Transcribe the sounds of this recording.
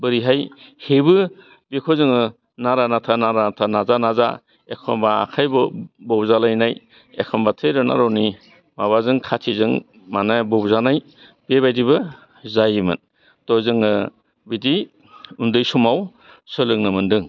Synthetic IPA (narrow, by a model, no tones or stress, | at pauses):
bɯɾiɦajhebɯ | bekʰɔzɯŋɯ | naɾanatʰanaɾanatʰanazanaza̰ | ekʰɔmba̰ːkʰajbɯbɔbzalajnaj | ekʰɔmbatʰɯjɾɯna̰ɾɔwni | maβazɯŋkʰatʰizɯŋ | manabɔbzanaj | bebajdiβɯ | zajimɯ̰n | tɔzɯŋɯ | bidi | undɯjsumaw | sɯlɯŋnɯmɯndɯŋ